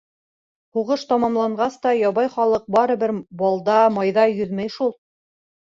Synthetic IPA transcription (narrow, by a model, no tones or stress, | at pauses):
huʁɤʃt̪ɑmɑmlˠɑɴɢɑst̪ɑjɒβɑjχɑlˠɤq̚bɑɾɤ̆βɘɾbɑlˠd̪ɑmɑjðɑjɵðmæjʃulˠ